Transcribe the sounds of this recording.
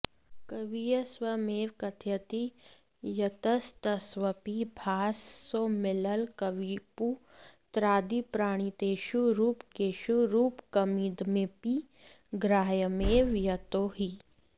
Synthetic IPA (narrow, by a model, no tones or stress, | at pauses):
kɐʋijɐsʋɐmeːʋkɐt̪ʰjɐt̪i | jɐt̪ɐst̪ɐsʋɐpibʱaːsːomɪlɐlkɐʋipu | t̪ɾaːd̪ipɾaːɽ̃it̪eːʃuɾuːpkeːʃuɾuːpkɐmiːd̪mepi | ɡɾaːjəmeːʋjɐt̪oːɦi